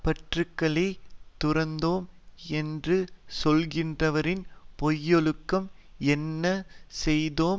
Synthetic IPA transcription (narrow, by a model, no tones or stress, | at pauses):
pɐʈrɯkːɐɭɐɪt̪ʊrɐnd̪oːmɛndrɯsɔlɣɪndrɐʋɐɾɪnpɔjːɔɭɯkːɐm | ɛnːɐsɛjðoːm